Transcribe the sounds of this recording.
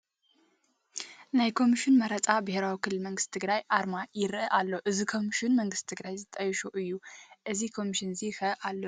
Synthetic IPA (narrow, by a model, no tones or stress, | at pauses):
najkʰo̞miʃinmɐɾɐt͡sʼabɨheɾawikʰɨlːɨlmɐŋɡɨst̪t̪ʰɨɡɾajʔaɾmajɪɾʔɨʔalːoʔɨzikʰo̞miʃinmɐŋɡɨst̪t̪ʰɨɡɾajzɨt̪ʼɐjʃuʔɨjːuʔɨzikʰo̞miʃinzixɐʔalːo